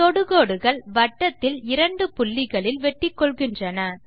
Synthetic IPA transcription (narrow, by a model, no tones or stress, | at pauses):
t̪ɔɽɯɣoːɽɯɣɐɭʋɐʈːɐt̪ːɪlɪɾɐɳɖɯpʊɭːɪɣɐɭɪlʋɛʈːɪkːɔɭɣɪndrɐnɐ